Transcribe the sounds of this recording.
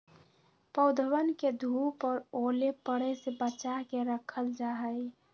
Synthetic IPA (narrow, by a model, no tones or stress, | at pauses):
pəʊd̪ʱəwənked̪ʱupɔɾolepəɽəsebət͡ʃaɦkeɾəkʰəld͡ʒaɦə